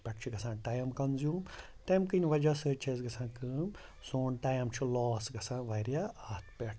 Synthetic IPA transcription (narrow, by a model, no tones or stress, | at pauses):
pʲɐʈt͡ʃʰiɡɐsãːʈajɐmkɐnzjuːm | t̪ɐjmkɨnʲʋɐd͡ʒasəːt͡ʃʰezɡɐsãːkɨːm | soːnʈajɐmt͡ʃʰilɔːsɡɐsãːʋɐjɾjaaːt̪ʰpʲeʈʰ